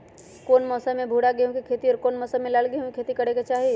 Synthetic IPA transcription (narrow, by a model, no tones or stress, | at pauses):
koːnmɔːsəmẽbʱuːɽaɡeɦõkikʰeːt̪iɔːɾkoːnmɔːsəmelaːlɡejõkikʰeːt̪ikɐɽeket͡ʃaːɦi